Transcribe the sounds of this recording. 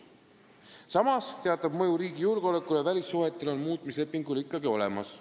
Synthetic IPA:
sɑmɑst̪e̞ɑt̪ːˑɑbmɤjuɾiːɡ̥ijulɡeo̞le̞kːˑulevælʲisːuɦet̪ːˑelo̞nmuːt̪ˑmisle̞pːˑiŋɡulikːˑɑɡio̞̰le̞mɑs

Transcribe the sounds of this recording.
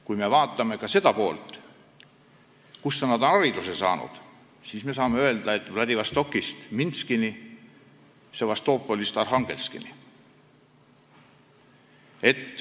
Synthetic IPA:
kujme̞vɑːt̪ˑːɑme̞kɑse̞d̪̥ɑpo̞ːlt̪ˑ | kusːɑnːɑd̪onɑɾid̪usesɑ̰ːnṵd̪̥ | siːsme̞s̬ɑːmeø̞e̞ld̪̥ɑe̞t̪ːˑvlɑd̪ivɑst̪o̞kˑːist̪minskini | sevɑst̪o̞ːpːˑolʲist̪ɑrɦɑŋɡ̥e̞̰lskḭnḭ | e̞t̪ː

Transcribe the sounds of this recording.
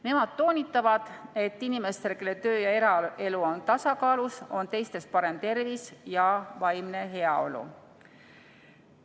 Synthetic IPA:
ne̞mɑd̪̥t̪ːo̞ːnʲit̪ːˑɑvɑd̪̥e̞t̪ːinime̞st̪ekelet̪ø̞ːjɑe̞ɾɑe̞luo̞nt̪ɑsɑkɑːluso̞nt̪e̞jst̪e̞spɑɾe̞mt̪e̞rvisjɑvɑjmne̞ɦe̞ɑo̞̰lṵ

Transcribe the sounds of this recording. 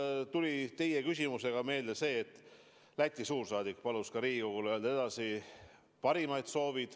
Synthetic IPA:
t̪ulʲit̪e̞jekysʲimuse̞ɡ̥ɑme̞ːld̪̥ese̞ːt̪ːˑ | læt̪ʲːˑisuːrsɑːd̪ik̚ːpɑluskɑɾiːɡikoɡ̥uleld̪ed̪̥ɑsi | pɑɾimɑjd̪̥so̞ːvid̪̥

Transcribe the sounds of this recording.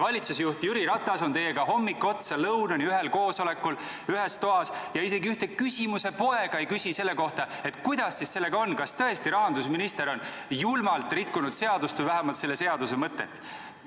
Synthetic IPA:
vɑlʲit̪susejuht̪jyɾiɾɑt̪ːˑɑso̞nt̪e̞jːeɡ̥ɑɦo̞mːikːo̞t̪sɑlɤwnɑniyɦe̞lko̞ːso̞le̞kːˑul | yɦest̪o̞ɦɑsjɑise̞ɡiyht̪e̞kysʲimuse̞po̞e̞ɡ̥ɑejkysʲise̞lːe̞ko̞ht̪ɑe̞t̪ːˑkujd̪̥ɑsːisse̞lːe̞ɡɑo̞nːkɑst̪ɤ̞e̞st̪iɾɑɦɑnd̪usminist̪e̞ɾo̞n | julmɑlt̪ˑrikːunud̪̥se̞ɑd̪ust̪vujvæɦemɑlt̪se̞lːe̞se̞ɑd̪use̞mɤt̪ːˑet̪ː

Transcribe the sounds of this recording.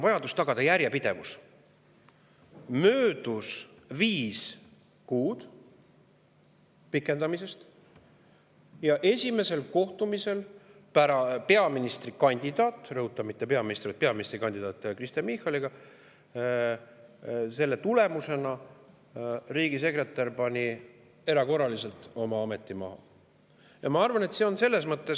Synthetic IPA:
vɑjɑd̪ust̪ɑɡ̥ɑd̪̥ɑjæɾjepid̪̥e̞vus | møːd̪̥us | viːs | kuːd̪̥ | pikːˑe̞nd̪̥ɑmise̞st̪ | jɑʔe̞sʲime̞se̞lko̞ht̪umise̞l | pæɾɑpe̞ɑminist̪ɾikɑnʲd̪̥id̪̥ɑːt̪ːˑrɤɦut̪ːˑɑmit̪ːe̞pe̞ɑminist̪ɾvijt̪̚peɑminist̪ɾikɑnʲd̪id̪̥ɑːt̪ːˑkɾist̪jɑmixɑliɡ̥ɑ | se̞lːe̞t̪ule̞muse̞nɑ | riːɡ̥ise̞kre̞t̪ːˑɑrpɑnʲi | e̞ɾɑko̞rɑlise̞lt̪ˑo̞mɑɑme̞t̪ˑːimɑ̰ɦɑ̰ | jɑmɑɑrvɑne̞t̪se̞o̞nse̞lːe̞s̬mɤt̪ːe̞s

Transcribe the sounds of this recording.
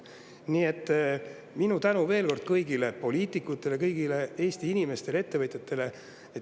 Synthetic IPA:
nie̞t̪ːˑ | minut̪ænuve̞ːlko̞rd̪̥̚kɤjɡ̥ile̞po̞liːt̪ˑikːˑut̪ːˑe̞le̞kɤjɡ̥ile̞e̞ːst̪iinime̞st̪e̞lee̞t̪ːe̞vɤt̪ʲjet̪ːe̞le̞ | e

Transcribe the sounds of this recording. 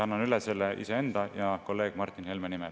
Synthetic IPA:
ɑnːɑnyleselːeʔḭsee̞nd̪̥ɑjɑko̞lːe̞ːɡ̥mɑrt̪ˑːinhelmenimɛl

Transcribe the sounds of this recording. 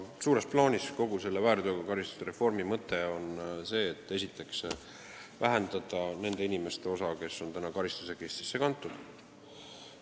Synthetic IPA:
suːɾe̞splɑːnʲisko̞ɡ̥use̞lːevæːɾd̪oɡɑkɑɾist̪u̥seɾe̞fo̞rmimɤt̪ːˑe̞o̞nse̞ːt̪ːˑe̞sʲit̪ːˑe̞ks | væɦend̪ɑd̪̥ɑne̞nd̪̥e̞inime̞st̪e̞o̞sɑke̞sːo̞nt̪ænɑkɑɾist̪u̥se̞kest̪i̥sːe̞kɑnt̪ːˑud̪̥

